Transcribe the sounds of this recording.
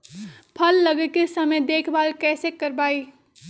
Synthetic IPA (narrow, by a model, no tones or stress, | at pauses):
pʰəlːəɡekesəməjd̪eːkʰbaːlkɛːsekəɾbaːi